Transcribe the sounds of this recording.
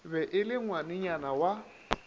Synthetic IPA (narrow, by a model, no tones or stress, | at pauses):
bɛʔɪlɪŋwanɪɲanawa